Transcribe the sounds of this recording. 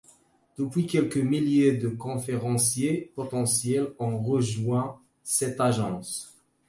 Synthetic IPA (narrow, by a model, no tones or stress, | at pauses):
d̪̥əpɥikʲɛlkəmiljed̪əkɔ̃feʁɑ̃sjepɔt̪ɑ̃sjɛlɔ̃ʁəʒwɛ̃ | sɛt̪aʒɑ̃s